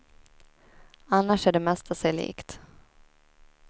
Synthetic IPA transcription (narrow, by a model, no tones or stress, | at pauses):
anːaʂæɖɛmɛst̪ʰasɛlḭːkt̪